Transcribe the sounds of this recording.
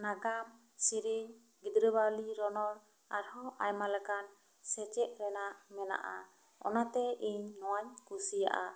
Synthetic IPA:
naɡam | siɾiɲ | ɡid̪ɾəbaliɾɔnɔɾ | aɾhɔʔajmalɛkan | sɛt͡ʃɛʔɾɛnaʔmɛna̰ʔa̰ | ɔ̰nat̪ɛiɲnɔwaɲkusija̰ʔa̰

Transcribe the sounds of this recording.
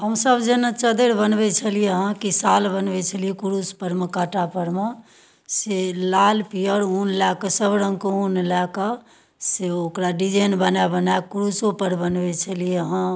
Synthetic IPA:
ɦəmsəbd͡ʒenət͡ʃəd̪eɽbənbɛt͡ʃʰəlijeɦãkisalbənbɛt͡ʃʰəlijekuɾuspəɾmekaʈapəɾme | selalpijəɾunlakəsəbɾə̃ŋkeunlakə | seokɾaɖid͡ʒenbənabənaekuɾusopəɾbənbɛt͡ʃʰəlijeɦã

